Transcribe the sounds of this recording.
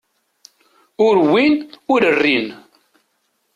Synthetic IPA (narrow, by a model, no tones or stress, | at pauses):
ʊɾwinʊɾərːin